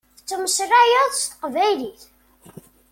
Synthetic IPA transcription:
θət͡sːəməsræjəðˤst̪ə̥qvæjliθ

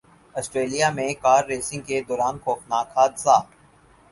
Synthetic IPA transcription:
ɔsʈɾeːlijamẽkaːɾːeːsɪ̃ŋɡ̚ked̪ɔːɾaːnkoːxnaːkʰaːd̪saː

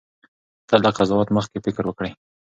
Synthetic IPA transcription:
t̪ad̪aqazɑwɑt̪məxt̪̚kefɪkɾwəkɽəj

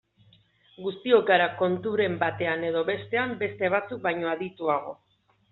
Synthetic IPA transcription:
ɡust̪io̞kaɾako̞nt̪uɾe̞mbat̪e̞ane̞ð̞o̞βe̞st̪e̞ambe̞st̪e̞β̞at͡suk̚bajɲo̞aðit̪uaɣ̞o̞

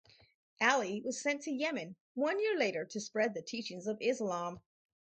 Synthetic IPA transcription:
ʔælˠiwʌz̥sɛ̃ntʰɨjɛmɨ̃n | wʌ̃njɪɹleɪɾə˞ɾɨspɹɛd̪̚ðɨtʰit͡ʃɪ̃ŋzʌvɪzlɑ̃m

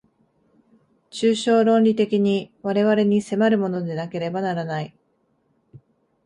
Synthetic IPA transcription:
t͡ɕɨːɕo̞ːɾõ̞nɾʲit̪e̞kʲiɲ̟iβaɾe̞βaɾe̞ɲ̟ise̞maɾɯ̟mo̞no̞d̪e̞nake̞ɾe̞banaɾanai

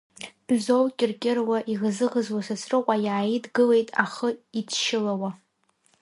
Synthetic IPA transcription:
b̥zowkʲʼɪrkʲʼɪrwaʔiʁzɨʁəzwasasʰrɨqʷʼajaːjidɡɨle̞jtʼa̰χəitʰʃɪlawa

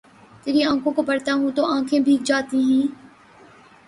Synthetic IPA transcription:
t̪eːɾiãːkʰõːkopɐɽt̪aɦũt̪oãːkʰẽːbʱiːk̚d͡ʒaːt̪iːɦĩː

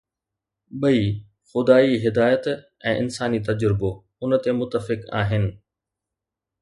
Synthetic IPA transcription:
ɓɐi | xʊd̪aːiɦɪd̪aːjət̪ | ɛ̃ːʔɪnsaːnit̪ɐd͡ʑɾɪbo | ʊnət̪emʊt̪ːəfɪka̰ːɦɪnɪ̆

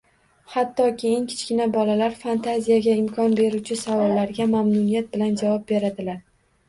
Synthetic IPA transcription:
hat̪ːɒkʲʰe̞jɪŋkʲʰɪ̥t͡ʃkʲɪnabɒlalaɾfant̪ʰazijaɡʲaɪmkʰɒnbe̞ɾut͡ʃʰɪsavɒlːaɾɡʲamamnʊnijat̪̚bɪland͡ʒavɒp̚be̞ɾad̪ɪlaɾ

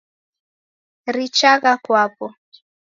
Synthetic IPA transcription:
ɾit͡ʃaɣakwapɔ

